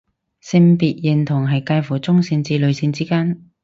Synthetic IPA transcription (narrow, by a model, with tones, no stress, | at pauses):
sɪ˧ŋpiː˨t̚jɪ˨nt̪ʰʊ˨˩ŋɦɐ˨jkaː˧jfuː˨˩t͡sʊ˥ŋsɪ˧nt͡siː˧lɵ˨˧ɥsiː˧nt͡siː˥kaː˥n